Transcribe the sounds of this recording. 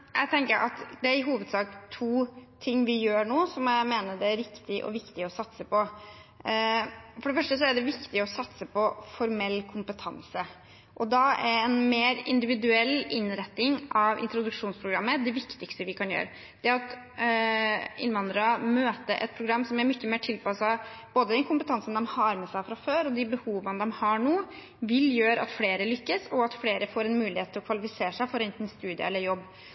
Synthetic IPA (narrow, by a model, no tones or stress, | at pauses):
jæ̰ɪt̪ʰɛŋkəɾʔɑ̰t̪d̪ɛæɾɪɦuːʋəd̪sɑːkt̪ʰuːt̪ʰɪŋːʋɪjøːɳoːsɔmjæɪmeːnəɖ̪ɛæɾɾɪkt̪ɪʔɔ̰ʋɪkt̪ɪɔsɑt̪səpʰɔ | fɔɖɛfœʂʈəsɔæɖɛʋɪkt̪ɪɔsɑt̪səpʰɔfɔɾmɛlːkʰʊmpət̪ʰɑ̰nsə | ʔɔd̪ɑæɛnmeːɾɪ̰nd̪ɪʋɪd̪ʉɛlːɪnɾɛt̪nɪŋʔɑʋʔɪ̰nt̪ɾʊd̪ʉkʂuːnspʰɾʊɡɾɑmːəd̪ɛʋɪkt̪ɪkst̪əʋɪkʰɑnjø̰ːɾə | d̪̥ɛæɾɑt̪ | ɪ̰nʋɑnd̪ɾɑmøːt̪əɾʔɛ̰t̪̚pʰɾʊɡɾɑmːsɔmæɾmʏçːəmeːʈʰɪlpɑsɑboːd̪əd̪ɛnkʰʊmpət̪ʰɑnsn̩d̪ɛmhɑɾmɛsæɪfɾɑføːɾɔd̪ɪbəhuːʋənəd̪ɔmhɑɳuː | ʋɪljøːɾəɑ̰t̪fleːɾəlʏkːəsɔɑt̪fleːɾəfoːɾɛnmʉːlɪheːt̪ʰːɪlɔkʰʋɑlɪfɪseːʂæɪfɔɾɛnt̪nst̪ʉːd̪ɪə̰ɛlːəɾjɔbː